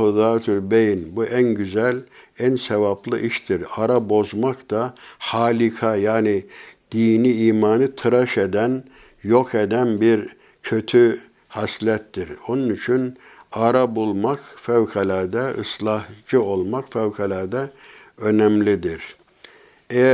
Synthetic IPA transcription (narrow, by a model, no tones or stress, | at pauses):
ud̪aːt̪ʰylʲbejnbuʔænɟyzælʲænsevaplˠɯʔiʃt̪ʰiɾaɾabo̞zmakd̪ahaːlʲikʰajaːnid̪̥iːniiːmaːnɯt̪ʰɯɾaʃed̪æn | jo̞kʰed̪ænbiɾ | cʰø̞t̪ʰy | haslʲɛt̪ːiɾo̞nunyt͡ʃʰyn | aɾabulˠmakfævkʰalʲæɾd̪ɛɯ̰slˠɑhd͡ʒɯo̞lˠmakfævkʰalʲaːɾd̪ɛø̞nɛmlʲid̪iɾ | ejæ